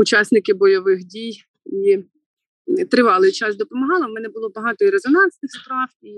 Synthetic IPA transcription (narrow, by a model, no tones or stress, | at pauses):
ʊt͡ʃɑsnɪkɪbɔjɔʋɪxdʲij | i | t̪ɾɪʋɑlˠɪjt͡ʃɑsd̪ɔpɔmɐɦɑlˠɪmɛnɛbʊlˠɔbɐɦɑt̪ɔiɾezɔnɑnsnɪxspɾɑwi